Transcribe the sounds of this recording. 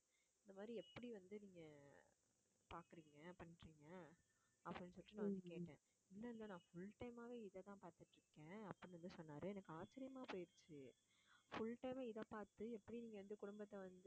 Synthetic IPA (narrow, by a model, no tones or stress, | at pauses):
ɪnd̪ɐmaːd̪ɾiɛpːɐɽiʋɐnd̪ɯniːŋɡɐ | paːɾkɯɾiːŋɡɐpɐɳːɪʈɾiːŋɡɐ | ɐpːɐɽɪnːsɔlːɪʈːinãːʋɐnd̪ɯkeːʈːẽː | ɪlːɐɾɯnd̪anãːfʊɭʈɐɪmaːʋeːɪðɛt̪ãːpaːɾt̪ɯʈːɾɯkːẽːɐpːɐɽɪnɐnd̪ɯsɔnːaːɾɯɛnɐkːɯaːt͡ʃːɪɾɪjɐmaːpoːjɪɾt͡ʃːɯ | fʊlʈɐɪmeːɪðɐpaːɾt̪ɯɛpːɐɽiniːŋɡɐʋɐnd̪ɯkʊɽʊmbɐt̪ːɐʋɐnd̪ɯ